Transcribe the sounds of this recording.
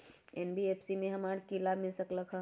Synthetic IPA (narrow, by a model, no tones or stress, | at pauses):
eːnbieːpʰsimẽɦɐmaːɾkilaːbʱmẽsɐkləkʰɦə̃